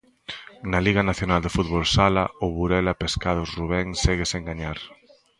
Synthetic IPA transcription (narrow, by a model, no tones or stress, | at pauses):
naliɣɐnaθjonald̪efut̪βolsala̰ʊβuɾɛlapeskaðʊsruβ̞ɛŋsɛɣɪseŋɡaɲaɾ